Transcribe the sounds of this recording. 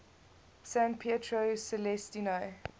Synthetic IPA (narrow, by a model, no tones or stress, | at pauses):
sãnpʰetʰɹosɛlɛstinaɪ